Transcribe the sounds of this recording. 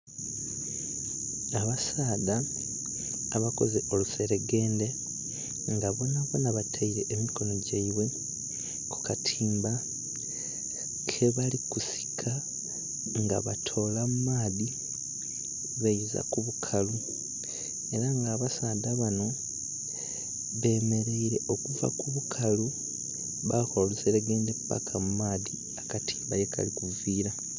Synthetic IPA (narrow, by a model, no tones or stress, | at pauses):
aβasaːda | βako̞zeʔo̞luse̞ɾe̞ɡe̞ːnde̞ | ŋɡaβo̞naβonaβatʰaiɾe̞ʔːmiko̞no̞ɟaiβwe̞ | ku̥katʰiːmba | kʰe̞βalikusi̥kʰa | ŋɡa̰βatʰo̞ːlamumaːði | βejiza̰kuβukʰalu | eɾaŋɡaːβasaːdaβano̞ | βe̞ːme̞ɾe̞iɾe̞ʔokuva̰kuβukʰalu | βakoluseɾeɡeːnde̞pːa̰kʰamumaːði | akatiːmbajeka̰likuviːɾa